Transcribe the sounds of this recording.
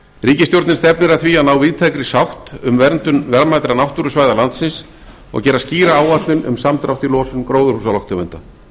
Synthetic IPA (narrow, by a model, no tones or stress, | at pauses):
riːcɪst̪jowɾt̪nɪnst̪ɛpnɪɾaθvianawviːt̪ʰajkɾɪsawht̪ʏmvɛɾnt̪ʏnvɛɾmajt̪ɾanawht̪uɾʏsvaːjðalant̪sɪns | ɔ̰ɣcɛːɾasciːɾaaːwat̪lɪnʏ̰msamt̪ɾawht̪ɪlɔːsʏnkɾoːwðʏɾhusalɔwht̪ʏmɛ̰nt̪a